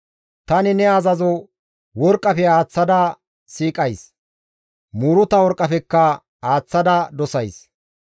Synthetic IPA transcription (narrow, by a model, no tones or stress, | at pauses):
t̪ɐnɪnɛɐzɐzɔ | wɔɾkʼːɐpɛaːt͡sːɐd̪ɐ | siːkʼɐjs | muːɾʊt̪ɐwɔɾkʼːɐpɛkːɐ | haːt͡sːɐd̪ɐd̪ɔsɐjs